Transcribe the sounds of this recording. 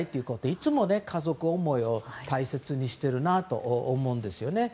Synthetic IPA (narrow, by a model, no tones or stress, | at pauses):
it̪ːeiɯ̟ko̞t̪eit͡sɨmo̞ne̞kʰazo̞kɯ̟o̞mo̞io̞t̪aise̞t͡sɨɲ̟iɕi̥t̪e̞ɾɯ̟nat̪o̞̰ʔomo̞ɯ̃nd̪e̞sɨjo̞ne̞